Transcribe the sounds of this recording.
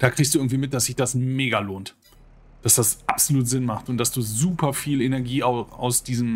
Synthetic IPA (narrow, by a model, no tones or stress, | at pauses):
d̥aːkʁ̥içstd̥uʔɪɡŋ̩tv̥iːmɪt̚d̥asz̥ɪçd̥asmeːɡaloːnt | d̥asd̥asʔapz̥oluːtz̥ɪnmaχtʊntd̥asd̥uːzuːpʰɐfiːlenɛɐɡiːaʊa̰ʊsd̥iːzəm̩